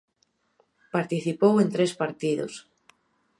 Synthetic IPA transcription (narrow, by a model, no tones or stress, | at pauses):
paɾt̪iθipowent̪ɾespaɾt̪iðo̰s